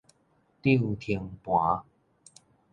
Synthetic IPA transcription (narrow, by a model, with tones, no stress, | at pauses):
t̪i˥˧˨ŋt̪ʰi˧˦ŋpwa˨˦